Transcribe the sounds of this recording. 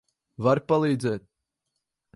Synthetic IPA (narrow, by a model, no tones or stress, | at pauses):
vaɾpalˠiːd̪zɛːt̪̚